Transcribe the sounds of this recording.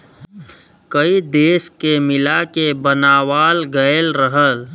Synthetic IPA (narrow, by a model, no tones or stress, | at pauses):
kəid̪eːskemɪlakebənaːwaːlɡəelɾəɦəl